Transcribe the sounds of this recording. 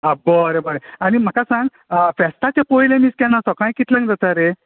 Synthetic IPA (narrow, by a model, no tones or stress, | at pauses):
abəɾebəɾeañim̤akasãŋɡ | fɛsʈ̪at͡ɕapojlẽmiːskɛnasɔkãj̃kit̪lãŋkd͡z̪ət̪aɾe